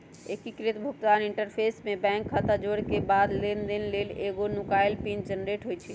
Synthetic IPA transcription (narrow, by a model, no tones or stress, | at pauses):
ekikɾit̪bʱukt̪aniɳʈəɾpʰesmebɛ̃ŋkʰːat̪ad͡ʒoɽkebad̪lend̪eneleleɡonukajlpind͡ʒənɾeʈɦojt͡ʃʰi